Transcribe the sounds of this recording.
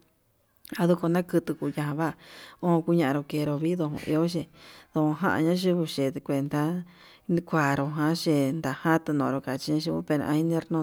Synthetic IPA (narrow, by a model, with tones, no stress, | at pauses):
a˧ðu˧ko˧nã˦kɨ˧t̪u˧ku˧ja˧ɦã˧βa˦˧õ˦˧ku˦ɲã˧ʔã˧ɾo˧ke˧˨˧ɾo˧βi˦ðo˧hõ̰˧˨ʔḭ˧o˦ʃe˧ðo˧õ˧ɦã̰˦ʔa̰˧ɲã˦ʒu˦βu˧ʃe˨t̪kʷe˨nd̪a˧˦˧ | kʷa˨ɾo˧ɦã˧˦ʃe˧nd̪a˨hã˦t̪u˧nõ˨ɾo˧ka˨t͡ʃi˧ɲã˧˦ʃu˧βu˧pe˧ɾʔã̰˧i˧˦nẽ˦ɾnõ˧